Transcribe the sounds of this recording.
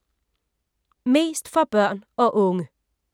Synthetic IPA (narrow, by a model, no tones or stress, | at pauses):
me̝ːst̪fɒb̥œɐnɔːʔʊŋə